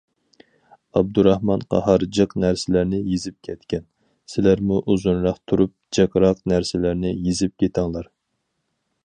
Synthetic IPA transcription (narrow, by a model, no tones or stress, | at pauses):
ɑb̚d̪uɾɑhmɑnqʰɑ̰hɑɾd͡ʒɨqnæɾsɪlæɾnɪjizɪp̚kʲʰɛt̪kʲɛn | sɪlæɾmuʔuzunɾɑqt̪ʰuɾup̚d͡ʒɑkɾɑqnæɾsɪlæɾnɪjizɪp̚kʲʰet̪ʰɑŋlˠɑɾ